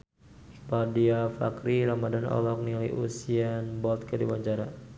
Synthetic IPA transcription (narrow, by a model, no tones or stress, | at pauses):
padiafa̰kɾiɾamadanɔ̰lɔk̚nilajʔṵsianbɔlt̪̚kədibaɲt͡ʃaɾa